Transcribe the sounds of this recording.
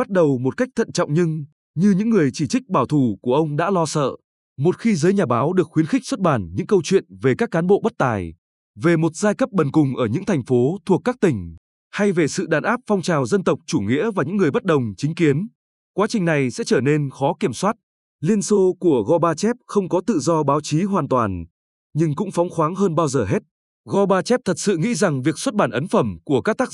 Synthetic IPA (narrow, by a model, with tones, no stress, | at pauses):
ɓa˦˥t̚ɗə˨˩wmo˨˩t̚ka˦˥jk̚t̪ʰə̰˧˨nt͡ɕɔ̰˧˨wŋ͡mɲɨ˧ŋ | ɲɨ˧ɲɨ̰˧˥ŋːɨ˨˩əjt͡ɕi˧˩t͡ɕï˦˥k̚ɓaː˧˩wt̪ʰu˧˩ku˧˩əʔə˧wŋ͡mɗa̰ː˧˥lɔ˧sə̰ː˧˨ | mo˨˩t̚xi˧zəː˨˦jɲaː˨˩ɓaː˨˦wɗɨ˨˩ək̚xwi˨˦ənxï˦˥k̚swə˦˥t̚ɓaː˧˩nɲɨ̰˧˥ŋkə˧wt͡ɕwḭ˧˨ənve˨˩kaː˦˥kːaː˨˦nɓo̰˧˨ɓə˦˥t̚t̪aː˨˩j | ve˨˩mo˨˩t̚z̥aː˧jkə˦˥p̚ɓə˨˩nkʊ˨˩ŋ͡mʔəː˧˩ɲɨ̰˧˥ŋt̪ʰa˨˩jŋ̟fo˨˦t̪ʰu˨˩əkːaː˦˥k̚t̪ï˧˩ŋ̟ | ha˧jve˨˩sɨ̰˧˨ɗaː˨˩nʔaː˦˥p̚fɔ˧wŋ͡mt͡ɕaː˨˩wzə˧nt̪ə˨˩wk͡p̚t͡ɕu˧˩ŋḭ˧˥əvaː˨˩ɲɨ̰˧˥ŋːɨ˨˩əjɓə˦˥t̚ɗə˨˩wŋ͡mt͡ɕï˨˦ŋ̟ki˨˦ən | kwaː˨˦t͡ɕï˨˩ŋ̟na˨˩jsɛ̰˧˥t͡ɕəː˧˩ne˧nxɔ˨˦ki˧˩əmswaː˦˥t̚ | li˧ənso˧ku˧˩əɣɔ˧ɓaː˧t͡ɕɛ˦˥p̚xə˧wŋ͡mkɔ˨˦t̪ɨ̰˧˨zɔ˧ɓaː˨˦wt͡ɕi˨˦ɦwaː˨˩nt̪waː˨˩n | ɲɨ˧ŋkʊ̰˧˥ŋ͡mfɔ˨˦wŋ͡mxwaː˨˦ŋɦəː˧nɓaː˧wzəː˨˩ɦe˦˥t̚ | ɣɔ˧ɓaː˧t͡ɕɛ˦˥p̚t̪ʰə˨˩t̚sɨ̰˧˨ŋḭ˧˥za˨˩ŋvi˨˩əkswə˦˥t̚ɓaː˧˩nʔə˨˦nfə˧˩mku˧˩əkaː˦˥k̚t̪aː˦˥k̚